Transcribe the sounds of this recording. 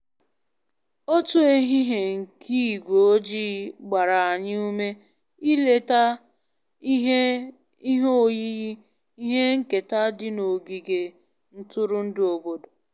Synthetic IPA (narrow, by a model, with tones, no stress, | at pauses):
o˦tu˦e˦ɦi˦ɦe˨ŋ̩˨kʰi˦˨ɡʷo˨o˦d͡ʒi˦ɡ͡ba˨ɾa˨a˨ɲɪ˦u˦me˦ | i˦le˨ta˦ | ɦe˦ | i˦ɦo˦˨ji˦ɣi˦ | i˦ɦe˦ŋ̩˦ke˨ta˦dɪ˦no˨ɡi˨ɡe˨ | n̩˦tʊ˦ɾʊ˦n̩˦do˨bo˦do˨